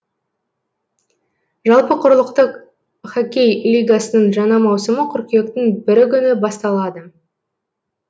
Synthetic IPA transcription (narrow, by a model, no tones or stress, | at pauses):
ʒɑlˠpəqʰʊɾəlˠəqt̪əq | χakʲejlʲijɡasənəɴʒɑnɑmɑwsəməqʰʏɾkʲe̞k̚t̪ɪŋbɪɾɪkʲʰʏnɪbɑst̪ɑlˠɑd̪ə